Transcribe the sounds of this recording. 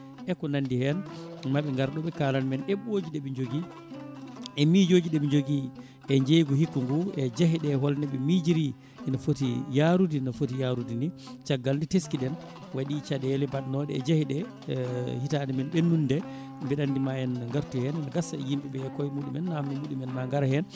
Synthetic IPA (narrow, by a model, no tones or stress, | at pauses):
ʔɛkɔnandihɛnmaɓɛŋɡaɾɗɔɓɛkaːlanmɛnɛɓod͡ʒiɗɛɓɛɲd͡ʒoɡi | ʔɛmid͡ʒoːd͡ʒiɗɛɓɛɲd͡ʒoɡi | ʔɛɲd͡ʒejɡɔhikːuŋɡuɛd͡ʒaɦiɗɛhɔlnɛɓɛmid͡ʒiɾi | ɛnafotijaɾudinafotijaɾudini | t͡ʃaɡːalditeskiɗɛn | waɗit͡ʃadɛlɛbaɗnɔɗɛ̰ɛd͡ʒahiɗɛ | hitanimɛnɗɛnːundɛ | mbɛɗandimaɛnŋɡaɾtuhɛnnɡasaɛjimbiɓɛjakːɔjimuɗumɛnːamɛmuɗumɛnmaŋɡaɾhɛn